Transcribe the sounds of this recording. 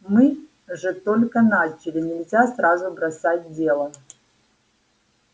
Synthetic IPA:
mɨ | ʐɨt̪olʲkənat͡ɕɪlʲɪnʲɪlʲzʲasrazʊbɾɐsat̚ʲdʲelˠə

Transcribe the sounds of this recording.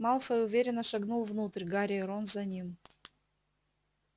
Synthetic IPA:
mɑlˠfəʊvʲeɾʲɪnːəʂɐɡnulˠvnut̪ɾʲɡaɾʲɪɾonzɐnʲim

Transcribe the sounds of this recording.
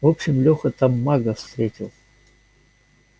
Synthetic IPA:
vopɕɪmlʲoxət̪amːaɡəfst̪ɾʲetʲɪlˠ

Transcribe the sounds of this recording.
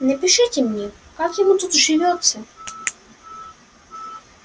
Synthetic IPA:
nɛpʲɪʂɪtʲɛmnʲɛkakjɔmut̪ut̪ʐɪvʲɔt̪sɐ

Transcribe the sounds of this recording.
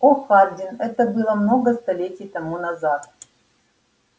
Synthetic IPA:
oxaɾʲdʲɪnɛt̪əbɨlˠəmno̞ɡəst̪ɐlʲetʲɪjt̪ɐmunɐzat̪

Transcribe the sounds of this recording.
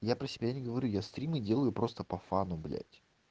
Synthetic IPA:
japɾəsʲɪbʲanʲɪɡəvɐɾʲujast̪ɾʲimɨdʲe̞lˠəjʊpɾo̞st̪əpɐfanʊblʲæ̰tʲ

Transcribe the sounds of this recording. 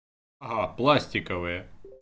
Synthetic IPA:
ɐɦɑplˠɑsʲtʲɪkɐʋɪjɛ

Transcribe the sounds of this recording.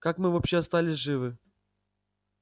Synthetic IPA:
kakmɨvɐpɕːeɐst̪alʲɪsʲʐɨvɨ

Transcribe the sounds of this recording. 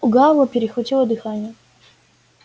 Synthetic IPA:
ʊɡavəpʲɪɾʲɪxvɐtʲilˠəd̪ɨxanʲɪjə

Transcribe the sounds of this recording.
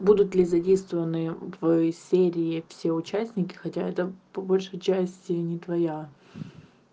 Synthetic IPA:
bud̪ʊt̪lʲɪzɐdʲejst̪vəvənɨvsʲeɾʲɪɪfsʲe̞ʊt͡ɕæsʲnʲɪkʲɪ̥xɐtʲaɛt̪əpɐbolʲʂəjt͡ɕæsʲtʲɪnʲɪt̪vɐja

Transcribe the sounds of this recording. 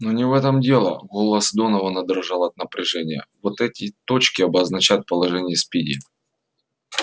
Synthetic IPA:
nonʲɪvɛt̪əmdʲe̞lˠə̰ɡolˠəsd̪o̞nəvənəd̪ɾɐʐɑlˠɐt̪̚nəpɾʲɪʐɛnʲɪjə̰vot̪ɛtʲɪt̪o̞t͡ɕkʲɪɐbəznɐt͡ɕæt̪̚pəlˠɐʐɛnʲɪjəspʲidʲɪ

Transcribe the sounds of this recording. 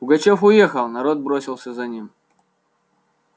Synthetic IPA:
ʊɡɐt͡ɕɛfʊjɛxɐlˠnɐɾɔd̪̚bɾɔsʲilˠsʲɐzanʲim

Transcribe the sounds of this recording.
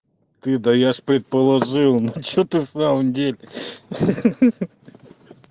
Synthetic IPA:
t̪ɨd̪ɐjaʂpɾʲɪt̪̚pəlˠɐʐɨlˠnot͡ɕot̪ɨfsaməmdʲelʲɪ

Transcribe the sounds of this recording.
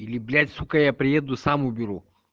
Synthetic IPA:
iliblʲat̪ʲsukajapɾiɛd̪osamobʲiɾo

